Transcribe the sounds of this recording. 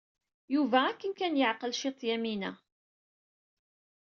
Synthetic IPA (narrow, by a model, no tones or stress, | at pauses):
juvæækːənkænjəʕqəlʃit̪ˤjæminæ